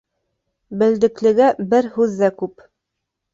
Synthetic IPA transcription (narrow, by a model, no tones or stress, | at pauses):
bɘ̆ld̪ɘ̆klɘ̆ɡæbɘɾhʉðːækʉp